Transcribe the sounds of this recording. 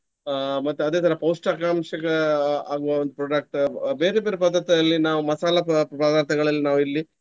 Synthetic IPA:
mɐt̪ːuɐd̪eːt̪ʰɐɾɐpɐwsʈɐkaːmʃɐkɐaːɡuʋɐʋond̪upɾoːɖɐk̚ʈbe̞ːɾebe̞ːɾepɐd̪ːɐt̪ɐlːinaːʋumɐsaːlɐpɐd̪aːɾt̪ʰɐɡɐɭɐlːinaːʋuilːi

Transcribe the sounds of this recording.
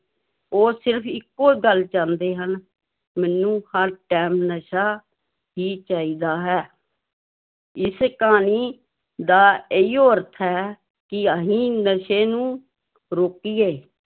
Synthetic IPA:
oːsɪɾpʰɪkːoːɡəlt͡ʃãːnd̪eːɦən | mɛ̃ːnũːhəɾʈɛːmnəʃaː | ɦiːt͡ʃaːiːd̪aːɦɛː | ɪskaːniː | d̪aːeːiːoːəɾt̪ʰɦɛː | kɪəɦĩːnəʃeːnũː | ɾoːkiːeː

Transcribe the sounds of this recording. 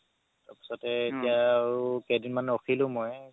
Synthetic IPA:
taɹpi̥sɔtɛetijaɹukedinmanɛoxʰilʊ̃moj

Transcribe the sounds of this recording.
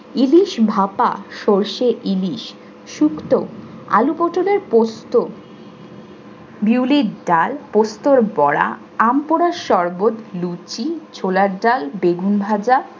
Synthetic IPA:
iliʃbʱapa̰ʃoɾʃeʔiliʃ | ʃukt̪oa̰lupɔʈʰoneɾpost̪o | biwliɖalpost̪oɾbɔɽa̰ | ampoɾaʃɔɾbot̪lut͡ɕit͡ɕʰolaɾɖalbeɡunbʱad͡ʑa

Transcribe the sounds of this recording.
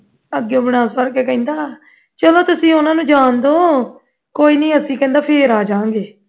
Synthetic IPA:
əɡjõːbɪɽaːsəɾkeːkɛ̃ĩːnd̪aː | t͡ʃəloːt̪ʊsĩːʊnãːnũːd͡ʒaːnd̪oː | koːiːnĩːəsĩːkɛ̃ːnd̪aːpʰeːɾaːd͡ʒãːŋɡeː

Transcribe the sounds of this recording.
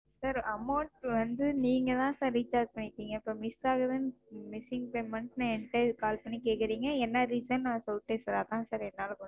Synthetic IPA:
saːɾɐmɐʊɳʈʋɐnd̪ɯniːŋɡɐt̪ãːsaːɾɾiːt͡ʃaːɾd͡ʒpɐɳːɪʈːiːŋɡɐɪpːoːmɪsaːɣɐðɯnmɪsɪŋɡpeːmɐɳʈnãɛɳʈːɐɯkaːlpɐɳːikeːkːɪɾiːŋɡɐɛnːɐɾiːsɐnnãːsɔlʈːeːsɐɾaːt̪ãːsaːɾɛnːaːlkɔ

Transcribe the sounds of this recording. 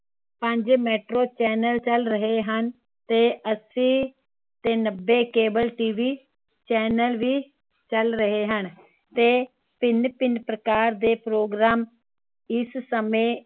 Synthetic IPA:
pə̃ɲd͡ʒmɛːʈɾoːt͡ʃɛːnəlt͡ʃəlɾəɦeːɦən | t̪eːʔəsĩː | t̪eːnəbːeːkeːbəlʈiːʋiː | t͡ʃɛːnəlʋiː | t͡ʃəlɾəɦeːɦən | t̪eː | pɪnpɪnpɾəkaːɾd̪eːpɾoːɡɾaːm | ɪssəmẽː

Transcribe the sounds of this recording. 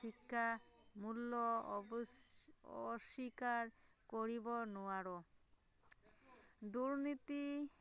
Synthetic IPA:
ikːamulːo | ɔ̰ʃːikaɾ | koɾibonuaɾo | d̪uɾnit̪i

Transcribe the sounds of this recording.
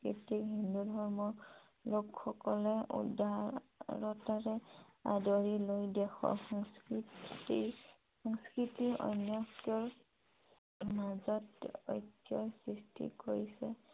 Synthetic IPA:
kɹḭtiɦindudʱɔɹmɔɹ | lokxɔkɔlɛʔṵdaɹɔtaɹɛa̰dɔɹilojdɛxɔ̰ɹxɔŋskii | xɔŋskɹitiɔ̰jnjɔɔɹ | mazɔtɔ̰jtːijɔjsɹistʰḭkoɹisɛ

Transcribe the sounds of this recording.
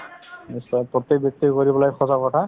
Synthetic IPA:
nisɔpɹɔt̪ːek̚bjɔk̚t̪ikoɹibɔlajxʰɔsakɔtʰa

